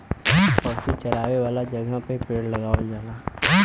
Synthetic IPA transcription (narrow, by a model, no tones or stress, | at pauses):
pɔːsut͡ʃəɾaːʋeʋaːlad͡ʒɐɡapepeːɽlɐɡaːod͡ʒaːlaː